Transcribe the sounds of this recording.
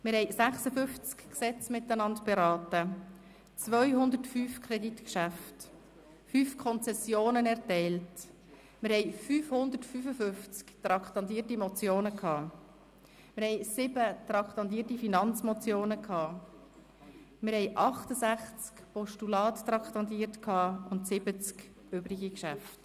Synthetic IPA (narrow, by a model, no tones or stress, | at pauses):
mɪɾhɛɪjsæχsəfʏft͡skksɛt͡smɪtənɑntb̥eɾɑːtə | t͡sʋœʏɦʊnd̪əɾtfyːfkʰɾɛditkʃæft | fyːfkʰɔnt͡sɛsjoːnənɛɾtɛɪlt | mɪɾhɛɪfyːfhʊnd̪ətfyːfəfʏft͡skt̪ɾɑktɑndiːtimɔt͡sjoːnəkhɑː | mɪɾhɛɪsɪbət̪ɾɑkχtɑndiːtifinɑnt͡smɔt͡sjoːnəkʰhɑː | mɪɾhɛɪʔɑχtəsæχt͡skpɔʃtulɑːttɾɑktɑntiːtkʰhɑːʊntsɪbət͡sk | øbɾɪɡikʃæft